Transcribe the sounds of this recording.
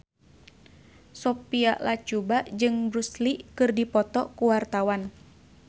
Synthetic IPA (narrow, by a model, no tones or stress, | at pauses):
sopiaʔlat͡ʃubaʔd͡ʒɨŋbɾusliʔkɨrdipɔt̪ɔkuwart̪awan